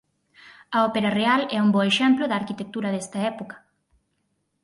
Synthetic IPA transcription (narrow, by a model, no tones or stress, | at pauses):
ɐɔpeɾɐrealɛumbɔeʃɛmplʊðɐaːɾkit̪ek̚t̪uɾɐðɛst̪ɐɛpokɐ̥